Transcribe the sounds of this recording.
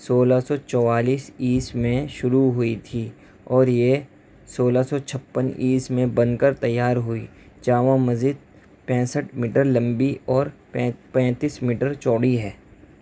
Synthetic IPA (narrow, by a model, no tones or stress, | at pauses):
soːlasɔt͡ʃɔːwaːliːsiːsmẽʃʊɾuɦʊit̪ʰi | ɔːɾje | soːlasɔt͡ʃʰɐpːənʔiːsmẽbə̃nkəɾt̪ɐjːaːɾɦʊi | d͡ʒaːʋãmɐziːd̪̚ | pɛ̃ːsəʈmiːʈəɾlə̃mbiʔɔːɾ | ɛpɛ̃ːt̪iːsmiːʈəɾt͡ʃɔːɽiɦɛː